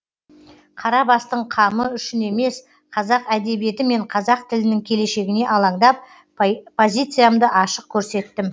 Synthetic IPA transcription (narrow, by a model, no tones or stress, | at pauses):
qʰɑɾɑbɑst̪əɴqʰɑməʏʃɪne̞me̞s | qʰɑzɑqæd̪e̞bije̞t̪ɪme̞ɴqʰɑzɑq̚t̪ʰɪlɪnɪŋkʲʰe̞le̞ʃe̞ɡʲɪne̞ʔɑlˠɑɴd̪ɑp̚ | pʰo̞zʲijt̪sɨjamd̪əʔɑʃəq̚kʲʰɵɾse̞t̪ːɪm